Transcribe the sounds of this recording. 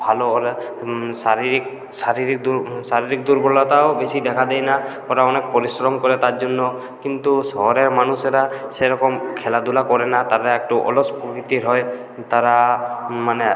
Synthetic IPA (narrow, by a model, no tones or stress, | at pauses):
bʱalɔɾ | saɾiɾik | saɾiɾik̚d̪usaɾiɾik̚d̪uɾbɔɾlat̪awbesid̪ɛkʰad̪ɛjnakɔɾaɔnɛk̚pɔɾisɾɔmkɔɾɛt̪at̪d͡ʒunːɔ | kint̪usɔɦɔɾɛɾmanusɛɾasɛɾɔkɔmkʰɛlad̪ulakɔɾɛnat̪aɾɛɛk̚ʈuʔɔ̰lɔspɔkɾit̪iɾɔj | t̪aɾamane